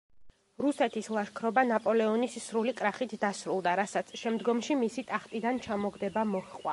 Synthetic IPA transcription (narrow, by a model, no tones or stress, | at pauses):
ɾusɛt̪ʰislˠaʃkʰɾɔbanapʼɔlɛɔnisːɾulikʼɾaχit̪ʰd̪asɾulˠd̪aɾasat̪sʰʃɛmd̪ɡɔmʃimisit̪ʼaχt̪ʼid̪ant͡ʃʰamɔɡd̪ɛbamɔχqʼwa